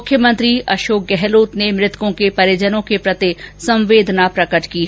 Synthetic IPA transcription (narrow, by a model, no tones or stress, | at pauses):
ʊkʰjəmə̃nt̪ɾiɐʃoːk̚ɡɛɦloːt̪nemɾɪt̪wõkepɐɾjəd͡ʒənõkepɾɐt̪esɐ̃mʋeːd̪ʱnapɾɐkəʈʰki